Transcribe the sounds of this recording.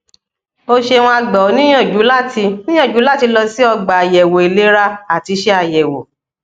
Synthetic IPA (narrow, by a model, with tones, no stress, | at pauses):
o˧ʃe˧w̃ɔ̃˧a˧ɡ͡bɔ˨˦nĩ˦ã˦˨d͡ʒu˨˦la˦˨ti˧nĩ˦ã˦˨d͡ʒu˨˦la˦˨ti˧lɔ˧si˦ɔ˧ɡ͡ba˨a˨jɛ˨wo˨e˨le˨˦ɾa˦a˦˨ti˧ʃe˧˦a˨jɛ˨wo̰˨